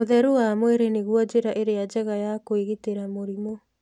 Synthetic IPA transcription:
oðɛɾuwamweɾeneɣwɔd͡ʒeɾaʔeɾead͡ʒɛɣajakoiɣeteɾamoɾimo

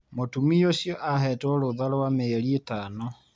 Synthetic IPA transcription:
motumiosjɔʔahɛtɔloðalowameeɾietaːno

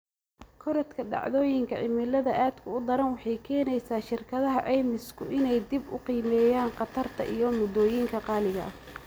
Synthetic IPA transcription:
kʰɔɾɐt̪kʰɐɖɑ̰ʕðɔːjɪŋkʰɐʕɪmɪlɐðɐʔaːd̪kʰʊʊd̪ɐɾɐnwɑħɑjkʰɛːnɛjsaːʃɪrkʰɐðɐɦɐʕɛːmɪskʰʊʔɪnɛjd̪ibʊ̰qiːmɛːjaːnqɑt̪ʰɐrt̪ʰɐ̰ʔijɔmʊd̪ɔːjiŋkʰɐqɑːlɪɣɐʔɐ

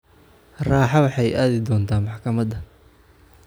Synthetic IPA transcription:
raːħɑwɑħɑjʔaːðɪd̪ɔːnt̪ʰaːmɑħkʰɐmɐd̪ɐ

